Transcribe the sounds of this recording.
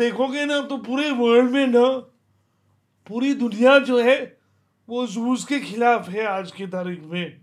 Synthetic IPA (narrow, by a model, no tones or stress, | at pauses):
d̪eːkʰõɡenɐt̪opuːɾeʋəɾɖmẽnɐ | puːɾid̪ʊnijad͡ʒoːɦɛ | ʋozuːzkexʰɪlaːfɦɛaːd͡ʒket̪̬aːɾiːkmẽː